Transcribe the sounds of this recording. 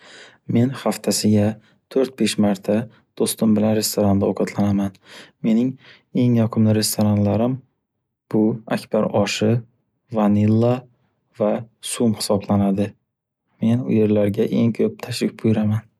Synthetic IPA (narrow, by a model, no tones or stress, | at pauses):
me̞nhaft̪ʰasɪɡʲa | t̪ʰɵɾt̪̚be̞ʃmaɾt̪ʰa | d̪̥ost̪ʊmbɪlanɾe̞st̪oɾand̪aoqʰɑt̪ʰlanamanme̞nɪŋ | e̞ŋjɒqʰɨmlɪɾe̞st̪oɾanlaɾɪm | b̥ʊakʲb̥aɾɒʃɪ | vanɪlˠːa | vasumhɪ̥sɒblanad̪ɪ | me̞nʊ̰je̞ɾlaɾɡʲaʔe̞ŋkʲʰɵp̚t̪ʰaʃɾɪk̚ʲbʰʊjɾaman